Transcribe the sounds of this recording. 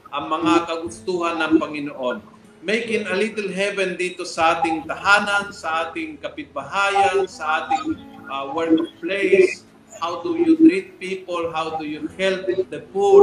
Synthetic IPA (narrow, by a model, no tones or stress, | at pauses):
ʔɐŋmɐŋakɐɡʊst̪uːhanːɐŋpɐŋɪnoʔon | mejkɪŋɐlit̪ɛlɦɛvɛnd̪iːt̪osɐʔaːt̪ɪŋt̪ɐɦaːnansɐʔaːt̪ɪŋkɐpɪt̪̚bɐɦaːjansɐʔaːt̪ɪŋʔawɛɹkplejs | hawd̪ujʊt̪ɾit̪̚piːpolɦawd̪ujuhɛlpɪt̪d̪ɛpu